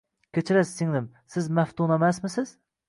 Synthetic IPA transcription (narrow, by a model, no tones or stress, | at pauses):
kʲʰet͡ʃʰɪɾæsːɪŋnɪm | sɪzmæft̪unɛmæsmɪsɪz̥